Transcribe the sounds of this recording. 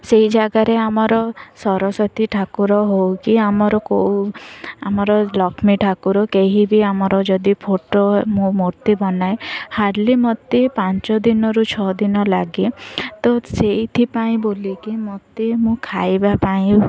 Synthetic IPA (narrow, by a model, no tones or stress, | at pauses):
seɦid͡ʒaɡaɾeamɔɾɔsɔɾɔsɔt̪ʰiʈʰakuɾɔɦowkiamɔɾɔkowamɔɾɔlɔkʰmiʈʰakuɾɔkeɦibiamɔɾɔd͡ʒɔd̪ipʰoʈomũmoɾt̪ibɔnajhaɾlimɔt̪ipant͡ʃɔd̪inɔɾut͡ʃʰɔd̪inɔlaɡit̪ɔseit̪ʰipaĩbolikimɔt̪imũkʰajbapaĩ